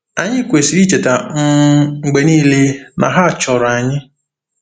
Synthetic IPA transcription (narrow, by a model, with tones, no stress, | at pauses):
a˦ɲɪ˦kʷe˨si˨ɾi˦t͡ʃe˨ta˨ŋ̩˦˨ɡ͡be˨niː˦le˦na̰˨ɦa˦˨t͡ʃɔ˨ɾa˨ɲɪ˦